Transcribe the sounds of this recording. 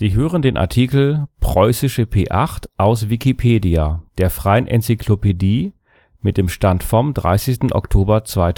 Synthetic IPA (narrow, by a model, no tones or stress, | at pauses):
z̥iːɦøːʁəndeːnʔa̰ɐtʰiːkl̩pʁ̥ɔʏsɪʃəpʰeːʔaχtʔaʊsvikipʰeːdiad̥eːɐfʁ̥aɪənʔɛ̰nt͡sikʰlopediː | mɪt̚d̥eːmʃtantfɔmdʁa̰ɪsɪstn̩ʔɔ̰ktʰoːbɐt͡sv̥aɪt